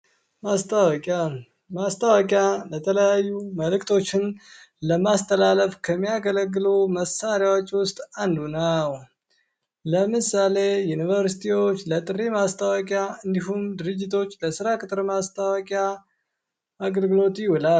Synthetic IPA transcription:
mast̪ʰʼawkʼa | mast̪ʰʼəwəkʼjalət̪ʰələjajːuməlɨkt̪ʰo̞t͡ʃːɪn | ləmast̪ʰəlaləfkʰəmːijaɡələɡːɨluməsaɾjawot͡ʃːwʊst̪ʼand̪unəw | ləmɨsale̞junivəɾsi̥t̪ʰiwo̞t͡ʃːlət̪ʼɨrːemast̪ʰəwəkʼjaɨnd̪iɦumd̪ɨɾɨd͡ʒːɪt̪ʰo̞t͡ʃːləsɨɾakʼɨt̪ʼɾmast̪ʰawkʼja | ɡəlɡɨlo̞t̪jɪwula

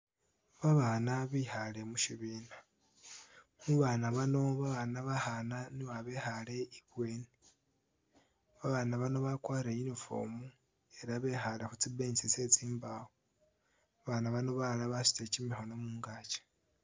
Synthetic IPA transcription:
βaβanaβihale̞muʃiβiːna | muβaːnaβano̞βaβanaβahananiβaβehale̞iβwe̞ːni | βaβanaβano̞βakwaːɾejinifo̰mu | e̞ɾaβe̞xalexut͡sibeɲit͡sise̞t͡siːmbawo | βanaβano̞βalaβasi̥te̞cimixo̞nomuːŋɡaːt͡ʃḁ

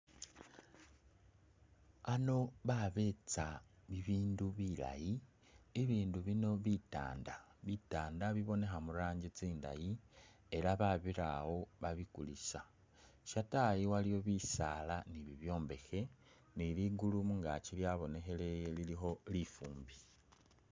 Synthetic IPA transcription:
ano̞βaβe̞t͡saβiβiːnduβila̰ji | eβiːnduβino̞βita̰ːndaβitaːndaβiβo̞ne̞xamuɾaːɲɟit͡siːnda̰ji | e̞ɾaβaβiɾawo̞βaβikulisa | ʃatajiwalijo̞βisaːlaniβiβjo̞ːmbe̞xe̞ | niliɡulumuŋɡat͡ʃiljaβo̞ne̞xe̞le̞jelilixo̞lifuːmbi

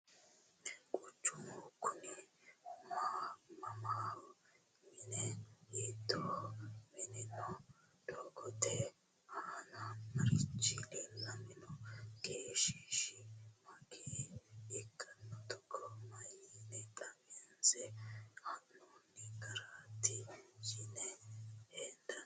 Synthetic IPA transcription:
kʼʊt͡ʃːʊmɔkʰʊnimaːmɐmaːwɔ | mɪnɛit̪ːɔːmɪnɛnɔd̪̥ɔɡɔt̪ɛ | haːnɐmɐɾɪt͡ʃːɪlɛlɐmɪnɔɡeːʃiʃɪmɐkʰeːɛkʰːɐnːɔt̪ɔkʰːɔmɐjinɛt̪ʼɐmɛnsɛhɐnunːɪɡɐɾat̪ːɪjɪnɛhɛd̪ɐ

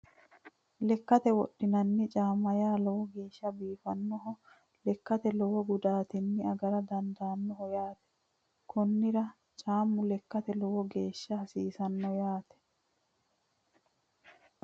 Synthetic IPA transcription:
lɛkːɐt̪ɛwɔɗːɪnɐnːɪt͡ʃʼaːmɐjaːlɔwɔɡe̞ːʃːɐbiːfɐnːɔɦɔ | lɛkːɐt̪ɛlɔwɔɡʊd̪aːt̪ɪnːɪɐɡɐɾɐd̪ɐnd̪aːnːɔɦɔjaːt̪ɛ̥ | kʰɔnːɪɾɐ | t͡ʃʼaːmːʊlɛkːɐt̪ɛlɔwɔɡeːʃːɐhɐsiːsɐnːɔjaːt̪ɛ̥

